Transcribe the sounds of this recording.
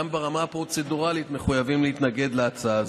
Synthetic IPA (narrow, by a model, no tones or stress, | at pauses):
ambeʁamapʁo̞t͡seduʁalit̪me̞χujavimlehit̪naɡe̞d̪leat͡saaz